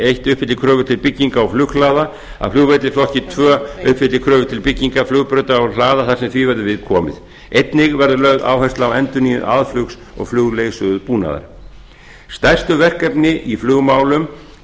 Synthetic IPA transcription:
ejht̪ʏhpfɪt̪ɪkʰɾœːvʏt̪ʰɪlpɪcːiŋkaɔflʏxlaːða | a̰flʏɣvet̪lɪflɔhcɪt̪ʰvœːʏhpfɪt̪lɪkʰɾœːvʏt̪ʰɪlpɪcːiŋkaflʏɣpɾœːt̪aɔwlaːðaθasɛmθvivɛɾðʏvɪðkʰɔːmɪ̰ð | ejt̪nɪɣvɛɾðʏlœɣða̰ːwhɛst̪lawɛnt̪ʏniːʏðʔaðflʏks | ɔ̰ɣflʏɣleːɣsʏðʏðpuːna̰ða̰ɾ̥ | st̪ajr̥st̪ʏvɛr̥kɛpnɪʔiflʏːɣmaːwlʏm

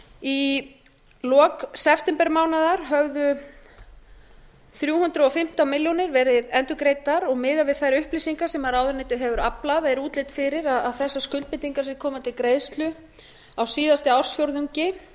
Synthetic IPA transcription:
i | lɔːksɛft̪ɛmpɛɾmaːwnaðaɾ̥ɦœɣðʏ | θɾjuːhʏnt̪ɾʏɔfɪm̥t̪awmɪljonɪɾvɛɾðɪðɛnt̪ʏkɾejt̪aɾɔɣmɪːðavɪðθajɾʏhplisiŋkasɛmaɾaːwðɪɾnɪjt̪ɪðɦɛvʏɾaplaðɛɾuːt̪lejt̪fɪɾɪɾaðaðθɛsːaskʏlt̪̚pɪt̪iŋkḁsɪɾkʰɔːmat̪ʰɪlkɾejðst̪lʏ | awsiːðast̪ɪawr̥sfjowɾðʏɲcɪ

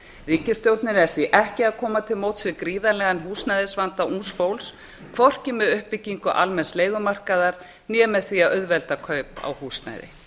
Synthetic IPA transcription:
riːcɪst̪jowɾt̪nɪɾɛɾ̥θviʔɛhcɪaðkʰɔːmat̪ʰɪlmoːwt̪svɪkɾiːðalɛɣanɦuːsnajðɪsvant̪aʔunsfowls | kʰvɔr̥cɪmɛðʏhpɪcːiŋkʏʔa̰lmɛnsleːjɣʏmar̥kaðaɾ̥ | njɛːmɛðθviaœðvɛlt̪akʰœɥpa̰whuːsna̰jðɪ̰

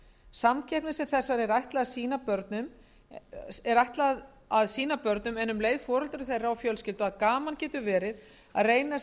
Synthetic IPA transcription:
samcʰɛjhpnɪsɛmθɛsːaɾɛɾajht̪laðaðsiːnapœɾt̪nʏm | ɛɾajht̪lað | aðsiːnapœɾt̪nʏmɛnːʏmleːjðfɔːɾɔlt̪ʏɾʏθejraawfjœlscɪlt̪ʏaðkaːmancɛːt̪ʏvɛːɾɪð | a̰ðreːjna

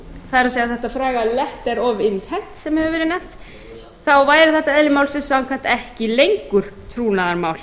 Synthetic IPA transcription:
θaðɛɾaseːɣðaθɛht̪afɾaːɣalɛht̪ɛɾɔvɪnt̪hɛht̪sɛmhɛvʏvɛːɾɪnɛht̪ | θawvaːjɾɪθɛht̪ːaɛðlɪmaːwlsɪnsːawŋkʰaht̪ɛhcɪlejŋkʏɾ̥t̪ʰɾuːnaðaɾmaːwl̥

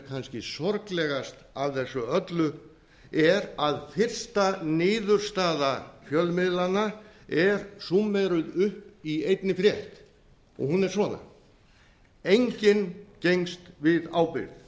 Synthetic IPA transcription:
kʰanscɪsɔɾklɛɣast̪avθɛsːʏœt̪lʏ | ɛɾaðfɪr̥st̪anɪːðʏɾ̥st̪aːðafjœlmɪðlanaɛɾsumːɛɾʏðʏhpiejt̪nɪfɾjɛht̪ | ɔ̰ɣhunɛɾ̥svɔːna̰ | ejɲcɪncejŋst̪vɪðaːwpɪ̰ɾð

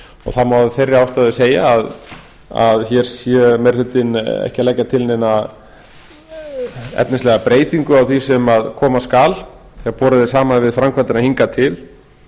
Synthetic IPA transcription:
ɔ̰ɣθamawðɪfejrːɪaːwst̪aðɪseːjaːð | a̰ðçɛɾ̥sjɛmɛɾ̥θʏt̪ːɪnɛ̰hcalɛjcːat̪ʰɪlnena | ɛ̰p̪nɪslɛɣapɾeːjt̪iŋkʏawθisɛmaðkʰɔːmaskaːl | θɛapɔːɾaðɪsaːmanvɪðfɾamkʰvant̪ɪnahiŋkat̪ʰɪl

